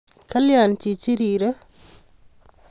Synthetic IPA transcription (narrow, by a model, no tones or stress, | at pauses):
kɐljantit͡ʃiɾiːɾə